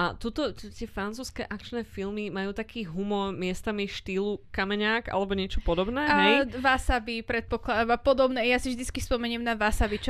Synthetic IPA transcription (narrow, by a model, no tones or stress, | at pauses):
at̪ɔt̪ɔt̪t̪ɪɛfɾant͡suːskɛ̰ːʔakt͡ʃnɛːfilmimajuːt̪akʰiːɦumɔɾmɪɛst̪amiʃt̪iːlukamɛɲaːka̰lɛbɔɲɪɛt͡ʃɔpɔd̪ɔbnɛːaɛjʋasabipɾɛt̪̚pɔklad̪amapɔd̪ɔbnɛjasivʒd̪it͡skispɔmɛɲɪɛmnaʋasaʋit͡ʃ